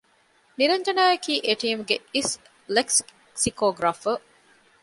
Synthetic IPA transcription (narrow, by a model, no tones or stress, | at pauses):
niɾɐɲd͡ʒɐnaːjɐkiːʔeʈiːumuɡeis | leks | sikoːɡɾafə